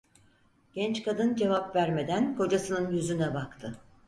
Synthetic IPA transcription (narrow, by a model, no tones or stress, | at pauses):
ɟ̥ɛnt͡ʃkad̪ɯnd͡ʒe̞vapvæɾme̞d̪ænko̞d͡ʒasɯnɯnjyzynɛbakt̪ʰɯ